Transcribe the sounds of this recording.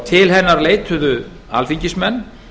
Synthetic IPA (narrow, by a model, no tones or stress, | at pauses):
t̪ʰɪlhɛnːaɾleːjt̪ʰʏðʏ | a̰lfiɲcɪsmɛnː